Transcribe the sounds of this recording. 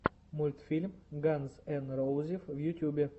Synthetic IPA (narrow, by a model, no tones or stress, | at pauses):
mulʲt̪fʲilʲmɡanzɛnɾowzʲifvjut̪ʲjubʲe